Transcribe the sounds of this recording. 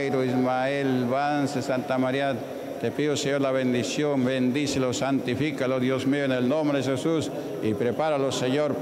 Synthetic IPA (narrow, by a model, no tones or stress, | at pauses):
jɾoismaelβansesant̪amaɾja | t̪epiðoseɲoɾlaβend̪isjombend̪iselosant̪ifikaloðjosmeoenelnombɾeðexesus | ipɾepaɾaloseɲoɾ